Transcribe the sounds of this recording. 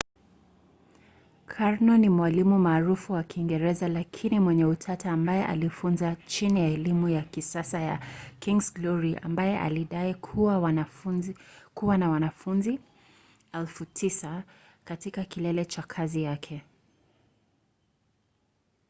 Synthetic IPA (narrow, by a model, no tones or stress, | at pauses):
kʰaɹnɔnimwalimumaːɾufuwakiŋɡɛɾɛzalakʰinimwɛɲɛutʰataːmbajɛʔa̰lifunzat͡ʃinijaɛlimujakisasaja̰kĩŋɡzɡlɔɹiʔa̰mbajɛʔa̰liɗaikʰuwawazkuwanawanafunzi | ɛlfutʰisa | katikakilɛlɛt͡ʃakʰazijakʰɛ